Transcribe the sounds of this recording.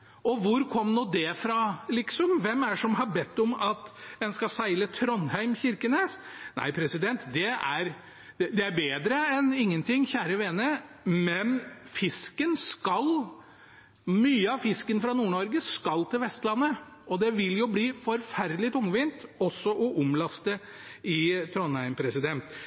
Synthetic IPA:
ʔɔʋʊɾkʰɔmnuːd̪ɛfɾɑːlɪksɔmʋɛmæʂɔmɦɑbɛt̪ːɔmɑt̪ɛnskɑsæɪlət̪ʰɾɔnhæɪmçɪɾkənesnæ̰ɪpʰɾɛsɪd̪ɛnt̪d̪ɛæɾ | d̪ɛd̪ɛæɾbeːd̪ɾəɛnɪŋːənt̪ʰɪŋːçæːɾəʋeːnə | mɛnfɪskənskɑl | myːəɑʋfɪskənfɾɑnuːɳɔɾɡəskɑlt̪ʰɪlʋɛst̪lɑnːə | ɔd̪ɛʋɪljʊbliːfɔɾfæɾd̪lɪt̪ʊŋʋɪnt̪ɔsːɔʔɔʔʊmlɑst̪ə | ɪt̪ʰɾɔnhæɪmpʰɾɛsɪd̪ɛnt̪

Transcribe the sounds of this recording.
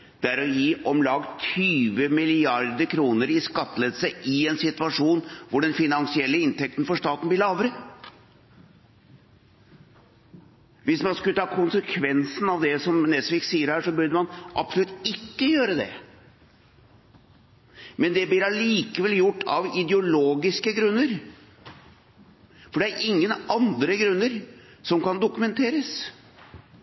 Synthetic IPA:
d̪̥ɛæɾɔjiːʔɔmlɑɡt̪ʰyːʋəmɪlɪɑɾd̪əɾkʰɾuːnəɾɪskɑt̪ːəleːd̪əsəʔɪɛnsɪt̪ʋɑʂuːnʋʊɖɛnfɪnɑnsɪɛlːəɪnt̪ɛk̚t̪n̩fɔʂt̪ɑːt̪n̩blɪɭɑːʋɾə | ʋɪsmɑnskʉlət̪ʰɑːkʰʊnsəkʰʋɛnsn̩ɑʋd̪ɛsɔmnɛt̪fɪksiːəɾhæːʂɔbʉɾɖ̪əmɑnʔɑ̰psɔlʉt̪ɪkːəjøːɾəd̪ɛ̰ | mɛnd̪ɛblɪɾɑliːkəʋɛljʊʈːɑ̰ʋɪd̪ɛʊloːɡɪskəɡɾʉnːəɾ | fɔɖɛæɾʔɪŋːənɑnd̪ɾəɡɾʉnːəɾ | sɔmkɑnd̪ʊkʉmɛnt̪ʰeːɾəs

